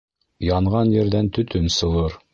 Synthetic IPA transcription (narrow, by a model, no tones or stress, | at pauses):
jɑɴʁɑnjɘ̆ɾd̪ænt̪ɵ̆t̪ʰɵnsɤ̆lˠɤɾ